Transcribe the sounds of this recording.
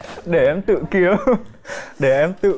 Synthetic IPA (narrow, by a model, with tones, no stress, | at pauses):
ɗe˧˩ʔɛ˧mt̪ɨ̰˧˨ki˨əw | ɗe˧˩ʔɛ˧mt̪ɨ̰˧˨